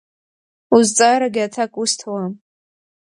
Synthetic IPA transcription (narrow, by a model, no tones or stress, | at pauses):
uzt͡sʼaɾaɡʲɪatʰakʼustʰwam